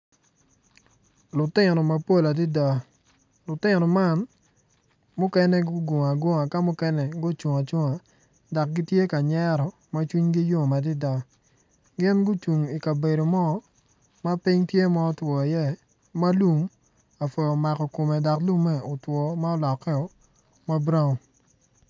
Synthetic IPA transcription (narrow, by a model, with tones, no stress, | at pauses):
lʊ˨tɪ˦˨nɔ˨ma˦po˦la˨di˦da˦ | lʊ˨tɪ˦nɔ˨ma˦n | mʊ˦kɛ˦nɛ˦ɡʊ˦ɡo˨ŋa˨ɡwo˦ŋa˨ka˦mʊ˦kɛ˦nɛ˨ɡo˦t͡ʃu˨ŋa˨t͡ʃo˦ŋa˨ | da˨k̚ɡi˦tje˦ka˨ɲɛ˦ɾɔ˨ | ma˦t͡ʃwi˦ɲɡi˦jo˦ŋ˨ma˨di˦da˦ | ɡɪ˦nɡʊ˦t͡ʃu˨ŋi˨ka˨be˨ɾo˨mɔ˦ | ma˦pi˦ŋtje˦mɔ˦twɔ˨i˨jɛ˦ | ma˦lu˦m | a˨fo˨jɔ˨ma˨kɔ˨ko˨mɛ˨da˨klu˦mɛ˦o˨twɔ˨ma˦ɔ˦lɔ˨kːɛ˦ɔ˨ | ma˦bɾa˦ŋ˨